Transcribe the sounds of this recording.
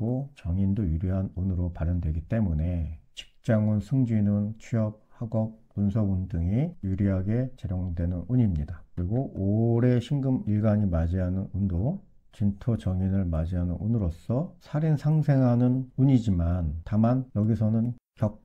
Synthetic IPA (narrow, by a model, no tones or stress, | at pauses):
ɡot͡ɕʌŋindojuɾiɦanunɯɾopaɾjʌndwe̞ɡit͈e̞mune̞t͡ɕi̥k̚t͡ɕ͈aŋɯnsʰɯŋd͡ʑunɯnt͡ɕʰiʌp̚haɡʌk̚punsʰʌundɯŋijuɾiɦaɡe̞t͡ɕeɾjoŋdwe̞nɯnuɲimɲidakɯɾiɡoʔoɾe̞ɕʰiŋɡɯmiɭɡaɲimad͡ʑiɦanɯnundo | t͡ɕintʰʌt͡ɕʌŋinɯɭmad͡ʑiɦanɯnunɯɾos͈ʌsʰaɾinsʰaŋsʰe̞ŋɦanɯnuɲid͡ʑimantamanjʌɡisʰʌnɯnkjʌk̚